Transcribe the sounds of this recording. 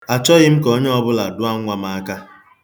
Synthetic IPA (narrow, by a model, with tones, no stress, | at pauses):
a˨t͡ʃɔ˦ɣɪ˦m̩˦ko˦ɲe˦ɔ˦bʊ˦la˨dʊ˦a˦ŋ̩ʷ˦a˨ma˨a˦ka˦